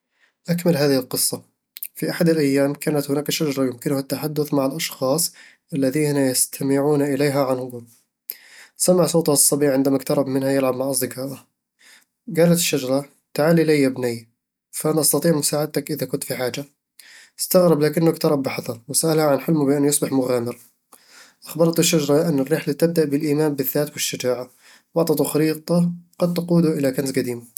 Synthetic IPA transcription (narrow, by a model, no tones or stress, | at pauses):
ʔakmalɦaːðɪhɪlqɨsˤːɑ | fiʔaħad̪alʔajːaːmkaːnat̪hʊnaːkʃad͡ʒɑɾˤɑjʊmkɪnʊhat̪ːaħad̪ːʊθmaʕalʔɑʃxɑːsˤ | ʔalːaðiːnajast̪ʰamɪʕuːnaʔɪlejːɦaʕanhʊɡuːl | samaʕsˤoːt̪ˤʊhsˤːɑbiːʕɪnd̪amakt̪ɑɾˤɑbmɪnhajɪlʕabmaʕʔɑzd̪ɪkɑːʔa | ɡaːlat̪ɪʃːad͡ʒɑɾˤɑ | t̪aʕaːlilajːabnɪj | faʔanaʔɑst̪ɑt̪ˤiːʕmʊsaːʕad̪̚t̪akʔɪðakʊnt̪fiħaːd͡ʒa | ɪst̪aɣɾɪblaːkɪnːʊkt̪ɑɾˤɑbːɪħɑðˤɑɾˤwɪsaʔalhaʕanħɪlmʊbɪʔanːjɑsˤbɪħmʊɣaːmɪɾˤ | ʔaxbɑɾˤɑt̪ɪʃːad͡ʒɑɾˤɑʔanːɪrːɪħlat̪ɪb̚d̪aʔbɪlʔiːmaːmbɪðːaːt̪wɪʃːad͡ʒaːʕa | wɑʕt̪ˤɑt̪uxɑɾiːt̪ˤɑɡ̥ɑd̪̚t̪ɑquːd̪uʔɪlakansɡad̪iːm